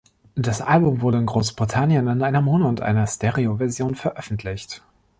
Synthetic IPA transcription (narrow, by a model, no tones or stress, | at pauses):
d̥asʔalbʊmvʊɐɾəɪnɡʁoːsb̥ʁitʰanjənɪnʔaɪnɐmoːnəʊntʔa̰ɪnɐstɛʁiovɛɐzjoːnfɛɐʔœfn̩tʰlɪçt